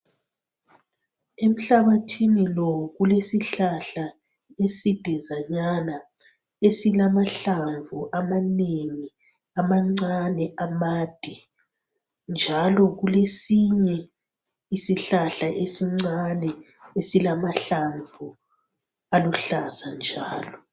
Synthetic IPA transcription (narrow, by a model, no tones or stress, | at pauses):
em̩ɬaβatʰinilɔɣulesiɬaɬa | esid̥ʱɛzaɲana | esilamaɬaɱvuʔamaneŋi | amaŋ͡ǀanɛʔamaːd̥ʱi | nd͡ʒʱalɔɣulesiɲɛ | isiɬaɬaʔesiŋ͡ǀanɛ | esilamaɬaɱvʱu | aluɬazand͡ʒʱa̰ːlɔ